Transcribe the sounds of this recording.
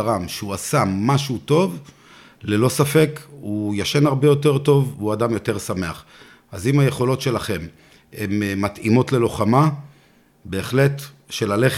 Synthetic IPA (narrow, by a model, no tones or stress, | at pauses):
ʁamʃeuasamaʃuto̞v | le̞lo̞safe̞kujaʃenaʁbe̞jo̞te̞ʁto̞vuadamjo̞te̞ʁsame̞aχ | azimhaje̞χo̞lo̞tʃe̞laχe̞m | emːat̪ʔimo̞tle̞lo̞χama | be̞ːχle̞t | ʃe̞lale̞χ